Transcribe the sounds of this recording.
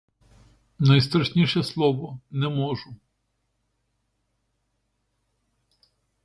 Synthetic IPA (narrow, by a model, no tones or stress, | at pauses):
nɐjst̪ɾɐʃnʲiʃɛslˠɔʋɔnɛmɔʒʊ